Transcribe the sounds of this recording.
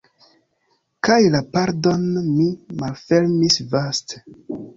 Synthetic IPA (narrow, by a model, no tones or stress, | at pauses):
kajlapaɾdo̞nmimalfeɾmisvaste̥